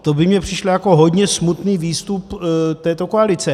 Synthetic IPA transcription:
t̪obɪmɲɛpr̝̥ɪʃlojako̞ɦo̞d̪ɲɛsmut̪niːviːst̪upt̪ɛːt̪o̞koalɪt͡sɛ

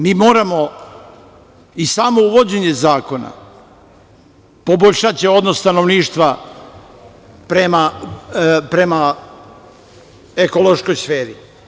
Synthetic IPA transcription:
miːmo̞ːɾamo̞ | isaːmo̞uʋo̞d͡ʑe̞ɲe̞zaːko̞na̰ | po̞boʎʲʃat͡ʃeo̞d̪nost̪ano̞ʋniːʃt̪ʋa | pɾema | pɾe̞ma | eko̞lˠo̞ʃko̞jsfeːɾi

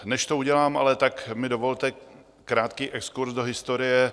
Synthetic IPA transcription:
nɛʃt̪o̞uɟɛlaːma̰lɛt̪akmɪdo̞vo̞lt̪ɛ | kɾaːt̪kiːʔɛkskuɾsdo̞ɦɪst̪o̞ɾɪjɛ

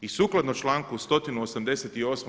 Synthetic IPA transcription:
isuːklˠad̪not͡ʃlˠaːŋkust̪o̞t̪inuosamd̪eset̪io̞sm

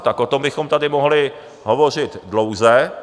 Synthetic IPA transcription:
t̪akʔot̪o̞mbɪxo̞mt̪adɪmoɦlɪ | ɦovo̞r̝ɪt̪dlo̞wzɛ

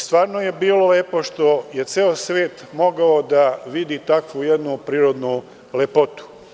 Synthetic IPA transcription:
st̪ʋaːɾnoje̞biːlo̞leːpo̞ʃt̪o̞je̞t̪seːosʋeːt̪mo̞ɡaod̪aʋid̪it̪akʋujed̪nupɾiːɾo̞d̪nu | lepo̞t̪u̥

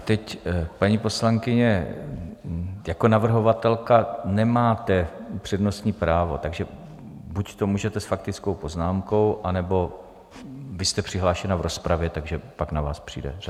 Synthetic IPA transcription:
t̪ɛcpaɲiːpo̞slaŋkɪɲɛ | jako̞navr̩ɦo̞vat̪ɛlkanɛmaːt̪ɛpr̥ɛdno̞st̪ɲiːpɾaːvo̞t̪aɡʒɛ | buct̪o̞muːʒɛt̪ɛsfak̚t̪ɪt͡sko̞wpo̞znaːmko̞wʔanɛbo̞ | vɪst̪ɛpr̥ɪɦlaːʃɛnavɾo̞spɾavjɛt̪aɡʒɛpaknavaːspr̝̥ḭːdɛ̰r

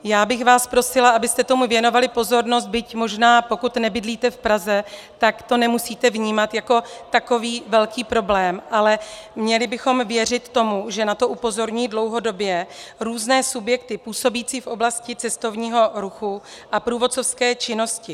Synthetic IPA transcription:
jaːbɪxvaːspɾo̞sɪlaabɪst̪ɛt̪o̞muvjɛno̞valɪpo̞zo̞ɾno̞s̬t̪̚bɪcmo̞ʒnaːpo̞kut̪nɛbɪdliːt̪ɛfpɾazɛ | t̪akt̪o̞nɛmusiːt̪ɛvɲiːmat̪jako̞t̪ako̞viːvɛlkiːpɾo̞blɛːmʔalɛmɲɛlɪbɪxo̞mvjɛr̝ɪt̪ːo̞muʒɛnat̪o̞ʔupo̞zo̞ɾɲujidlowɦo̞do̞bjɛɾuːznɛːsubjɛk̚t̪ɪpuːso̞biːt͡siːfʔo̞blascɪt͡sɛst̪o̞vɲiːɦo̞ɾuxu | ʔapɾuːvot̪t͡so̞fskɛːt͡ʃɪno̞scɪ

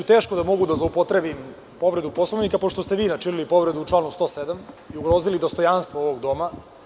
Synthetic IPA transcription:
t̪eːʃkod̪amo̞ɡud̪azlˠoupot̪ɾebim | po̞ʋɾe̞d̪upo̞slˠoʋnikapo̞ʃt̪ost̪e̞ʋiːnat͡ʃinilipo̞ʋɾe̞d̪uut͡ʂlanust̪o̞ːsed̪amiuɡɾozilid̪o̞st̪o̞janst̪ʋooʋoɡd̪o̞ma

